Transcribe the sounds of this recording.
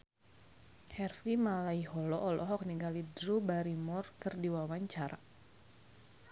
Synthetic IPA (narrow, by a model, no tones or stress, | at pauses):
hɛrfimalaiɦɔlɔʔːlɔɦɔk̚niŋɡalidɾubaɾimɔrkɨrdiwawaɲt͡ʃaɾa̰